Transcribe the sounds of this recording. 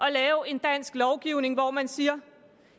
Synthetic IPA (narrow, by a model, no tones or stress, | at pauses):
ʔɒ̽lɛːʊe̝nd̥æn̰sɡ̥lɒʊɡ̥iʊ̰ne̝ŋʋɒmænsiːɐ